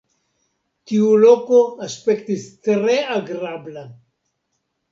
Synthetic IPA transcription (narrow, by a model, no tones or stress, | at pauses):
tiuloko̞aspe̞ktistɾeaɡɾabla